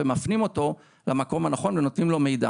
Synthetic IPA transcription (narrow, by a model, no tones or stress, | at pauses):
emafnimo̞to̞ | lamako̞mhanaχo̞nveno̞t̪nimlo̞me̞jda̰